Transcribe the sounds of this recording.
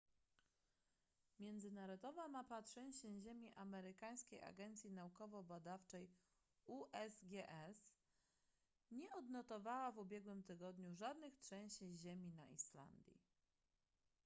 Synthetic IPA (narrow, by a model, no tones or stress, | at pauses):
mʲjɛnd̪zɘnaɾɔd̪ɔvamapatʂɛ̃ɕɛʑemʲiʔamɛɾɘkaj̃skʲeja̰ɡɛnt̪sʲjinaukɔvɔbad̪aft͡ʂɛj | uʔɛzɡʲɛʔɛs | ɲɛɔd̪nɔt̪ɔvawavubʲjɛɡwɘmt̪ɘɡɔd̪ɲuʐad̪nɘxtʂɛ̃ɕiʑemʲinaʔisla̰nd̪ʲjḭ